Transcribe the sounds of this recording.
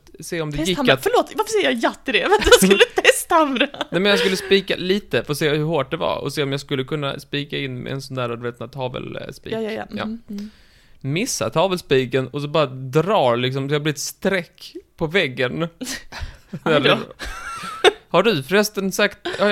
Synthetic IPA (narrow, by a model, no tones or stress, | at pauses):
seːɔmd̪ɛɪfœɭoːt̪vaɾfəsɛjəɾjɑjat̪ːɪd̪ɛvaslːʰɛst̪amɾanɛmɛnjas̬kɵlːəspiːka̰liːt̪əfseːhɵɾhoːʈ̚d̪ɛva̰ɔ̰seːɔmjɑɡskɵlːəkʰɵnːa̰spiːkaɪnːmɛ̰ɛ̰nsɔnd̪æːɾad̪veːt̪nat̪ʰɑːvə̰lspḭːɑ̰ː | mɪsːa̰t̪ʰɑːvəlspiːkənɔsɔbɑːɾad̪ɾɑːlɪks̬ɔmsɔjhablɪɪt̪st̪ɾɛkːpʰɔvɛɡːən | næɾ | haɖɵfɾɛst̪ənsakt̪ː